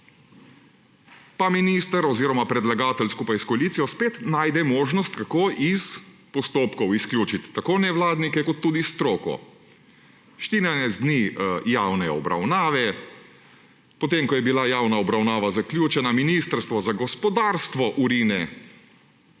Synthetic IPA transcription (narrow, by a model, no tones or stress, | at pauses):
paminist̪əɾɔziːɾɔmapɾɛd̪laɡaːt̪ɛlskupajskɔaliːt̪sijɔspeːt̪naːjd̪ɛmoːʒnɔst̪kakoːʔispɔst̪oːpkɔwisklʲjuːt͡ʃit̪ːakoːnɛʋwlaːd̪nikɛkɔt̪ːuːd̪ist̪ɾoːkɔ̰ | ʃt̪iːnanɛzd̪nijawnɛɔ̰bɾa̰wnaːʋɛ | pɔt̪emkɔjɛbilajawnaɔbɾawnaːʋazaklʲjuːt͡ʃɛnaminist̪ɾst̪ʋɔzaɡɔspɔd̪aːɾst̪ʋɔʔuɾiːnɛ